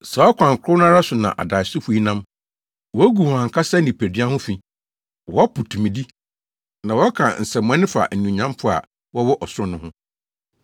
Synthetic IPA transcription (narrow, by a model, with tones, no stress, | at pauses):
sa˨ɔ˦kʷʰã˨ŋ˨kʰʊ˦n˦ã˦ɾa˦sʊ˨nã̰˨ʔa̰˨da˨ɪ˨sʊ˦fu˨˦i˦nã˦m | wɔ˨˦æ˦ɡu˨wɔ̃˨ã˨kʰa˦sɛ˦nĩ˨pʰe˨di˦a˦hʊ̃˦fĩ˨ | wɔ˨˦a˦pʰʊ˨tʰũ˨mĩ˨di˦ | nã˨wɔ˦kʰã̰˨n̩˨sɛ˨m˨ã˦nɪ̃˦fa̰˨nũ˨ɲã˦mpʰʊ˦a̰˨ | wɔ˦wɔ˦ʔɔ˨sʊ˦ɾʊ̃˦nʊ̃˦hʊ̃˦